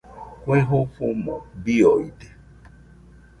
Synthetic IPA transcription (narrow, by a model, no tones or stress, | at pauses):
kʷeɦʊfumɔbiɔide